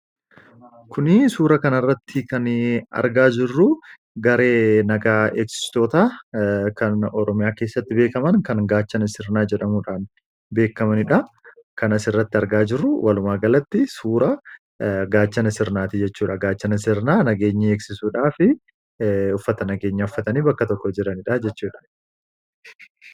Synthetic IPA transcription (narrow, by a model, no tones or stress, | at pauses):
kʊnɪsuːɾɐkɐnɐɪrːɐt̪ʰːɪkɐnɐ̰ɾɡaːd͡ʒɪrːʊ | ɡɐɾe̞ːnɐɡaːeːksɪ̥st̪o̞ːt̪aːkɐnɔɾɔmɪjaːkeːsːɐt̪ːɪbe̞ːkɐmɐnkɐnɡaːt͡ʃːɐnɐsɪɾnaːd͡ʒɛᶑɐmuᶑaːn | be̞ːkːɐmɐnɪᶑɐ | kɐnɐsɪrːɐt̪ːɪɐɾɡaːd͡ʒɪrːʊwɐlʊmaːɡɐlɐt̪ːɪsuːɾɐ | ɡaːt͡ʃːɐnɐsɪɾnaːt̪ɪd͡ʒɛt͡ʃːuːᶑɐɡaːt͡ʃːɐnɐsɪɾnaːnɐɡe̞ːɲːɐeːksɪsuːᶑaːfɪ | ʊfːɐt̪ɐnɐɡe̞ːɲːɐʊfːɐt̪ɐniːbɐkːɐt̪ɔkːɔd͡ʒɪɾɐnɪᶑɐd͡ʒɛt͡ʃːuːᶑɐ̥